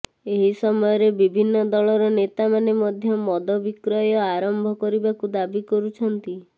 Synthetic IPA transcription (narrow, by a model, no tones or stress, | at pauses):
eɦisɔmɔjɔɾebibʱinːɔd̪ɔɭɔɾɔnet̪amanemɔd̪ʱjɔmɔd̪ɔbikɾɔjɔaɾɔmbʱɔkɔɾibakud̪abikɔɾut͡ʃʰɔnt̪i